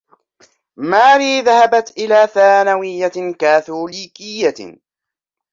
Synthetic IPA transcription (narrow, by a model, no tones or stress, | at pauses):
maːɾiːðahabat̪ʔɪlaːθaːnawɪjːakaːθuːliːkɪjːa